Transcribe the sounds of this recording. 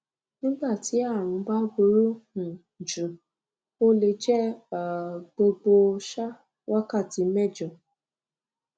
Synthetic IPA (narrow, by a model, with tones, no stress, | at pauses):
nĩ˦ɡ͡ba˦˨ti˨˦a˦˨ɾ̃ũ˨˧ba˦bu˧˦ɾũ˦˨ | d͡ʒũ˨ | o˦le˧d͡ʒɛ˦a˨ɡ͡bo˧ɡ͡bo˧ʃa˦ | wʔa˦ka˦˨ti˨˧mɛ˦˨d͡ʒɔ˨